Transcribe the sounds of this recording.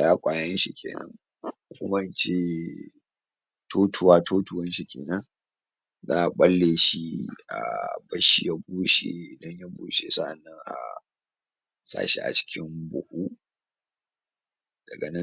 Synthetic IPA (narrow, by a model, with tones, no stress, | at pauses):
jaː˦kʷʼaː˨jɐ˦nʃi˦kʲʰḛː˨nɐ̰˦ŋ | hʊ˦kʷʊ˦mɐ˦nt͡ʃeː˦ | tʰoː˦tʰʊ˨waː˦tʰoː˦tʊ˨wɐ˦nʃi˦kʲḛː˨nɐ˦ŋ | za̰ː˦ʔa˨ɓɐ˦lːeː˨ʃi˦ʔa̰˨bɐ˦ʃi˦ja˦buː˦ʃḛ˨dɐ˦ɲja˦buː˦ʃe˨sa˦ʔa˨nːɐ˦ŋʔa̰˨ | sa̰ː˦ʃḭ˦ʔa̰˨t͡ʃɪ̥˦kʲɪ˦mbʊ˨hu˦ʔ | d̥ɐ˨ɡɐ˨nɪ˦